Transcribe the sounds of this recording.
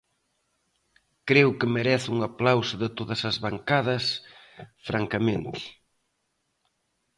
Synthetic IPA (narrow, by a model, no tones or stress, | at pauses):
kɾewkɪmeɾɛθuŋaplawsʊðɪt̪oðɐsɐzβaŋkaðɐs | fɾʔaŋkɐmẽnt̪ɪ̥